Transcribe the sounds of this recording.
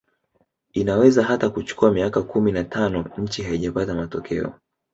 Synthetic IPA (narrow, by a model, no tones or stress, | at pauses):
inawɛzaɦatakut͡ʃu̥kuamiakakuminatʰanɔɲ̩t͡ʃiɦaiʄapatamatɔkʰɛ̰ɔ̰